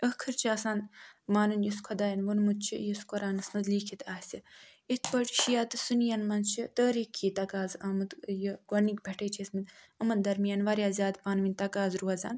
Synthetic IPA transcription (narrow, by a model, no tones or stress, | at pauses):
əkʰɨɾt͡ʃʰiɐsaːnmaːnɨnjiskʷʰɐd̪aːjɐnʋunmud̪̚t͡ʃʰḭjiskɐɾaːnɐsnɐd̪liːkʰit̪ʰaːsʲi | it̪ʰpəʈʰʃijaːt̪ɨsunjɐnmɐnt͡ʃʰit̪əːɾikʰːiːt̪ɐkaːzamɨt̪jəɡɐnikbʱʲeʈʰeːt͡ʃʰismid̪ | əmɐnd̪ɐɾmijɐnʋɐɾjaːzʲjaːd̪paːnʋinʲt̪ɐkaːzɾuɐza̰ːn